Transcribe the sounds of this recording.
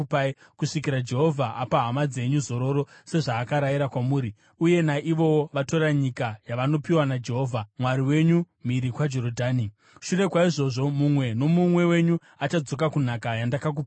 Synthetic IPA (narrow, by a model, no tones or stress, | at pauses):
p | kuʂik̬iɾad͡ʒe̞ɦo̞vʱaʔapaɦamad͡ze̞ɲuzo̞ɾo̞ɾo̞se̞ʐaːkaɾajiɾakwamuːɾi | uje̞naʔiʋo̞ʋato̞ɾaɲikajaʋano̞piwanad͡ʒe̞ɦo̞ːvʱamwaɾiwe̞ɲu | miɾikwad͡ʒo̞rodʱaːni | ʃure̞kwaiʐo̞ʐo̞mumwe̞no̞mumwe̞we̞ɲu | at͡ʃad͡zo̞k̬akun̤akajandakak̬upː